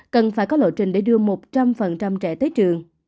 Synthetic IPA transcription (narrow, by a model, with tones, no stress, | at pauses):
kə˨˩nfaː˧˩jkɔ˨˦lo̰˧˨t͡ɕï˨˩ŋ̟ɗe˧˩ɗɨ˧əmo˨˩t̚t͡ɕa˧mfə˨˩nt͡ɕa˧mt͡ɕɛ˧˩t̪əː˨˦jt͡ɕɨ˨˩əŋ